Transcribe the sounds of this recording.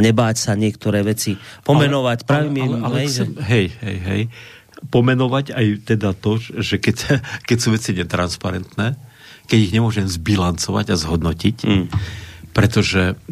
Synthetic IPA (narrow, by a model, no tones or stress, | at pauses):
ɲɛbaːcsaɲɪɛkt̪ɔɾɛːʋɛt͡sipɔmɛnɔʋacpɾaːʋimiɛalɛɛxɛmɦɛjɦɛ̰jɦɛ̰j | pɔmɛnɔʋacajt̪ɛd̪at̪ɔʒɛkɛckɛcsuːʋɛt͡siɲɛt̪ɾanspaɾɛnt̪nɛː | kɛɟiɣɲɛmʊɔʒɛmzbilant͡sɔʋa̰ɟazɦɔd̪nɔcic | pɾɛt̪ɔʒɛ